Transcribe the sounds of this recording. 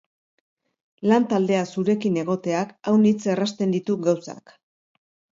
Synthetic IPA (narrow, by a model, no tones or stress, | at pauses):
lant̪ald̪e̞asuɾe̞kine̞ɣ̞o̞t̪e̞akawnit͡se̞rast̪e̞nd̪it̪uɡawsa̰k